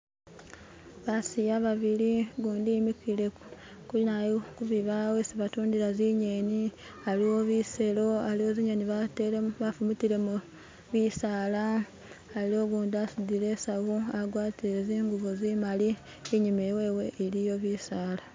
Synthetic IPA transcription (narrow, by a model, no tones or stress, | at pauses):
βasijaβaβiliɡuːndimikile̞ | kulinajokuβiβawesiβatuːndiɾaziɲeni | aliwo̞βise̞lo̞alio̞ziɲeniβateβafumutile̞mu | βisaːlaː | lio̞ɡuːndiasudiɾesaβuaɡwaːtiɾeziːŋɡuβuzimali | eɲimeweːweʔːɾijo̞βisaːla